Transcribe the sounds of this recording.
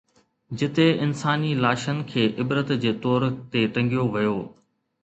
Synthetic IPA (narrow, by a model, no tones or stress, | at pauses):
d͡ʑɪt̪eɪnsaːnilaːʃənɪkʰeːʔɪbɾət̪d͡ʑeːt̪ɔːɾt̪eʈɐ̃ŋɡijoʋɐjoː